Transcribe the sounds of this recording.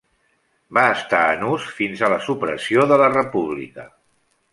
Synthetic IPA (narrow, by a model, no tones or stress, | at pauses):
baəst̪aənusfinzələsupɾəsioðələrəpuβlḭkə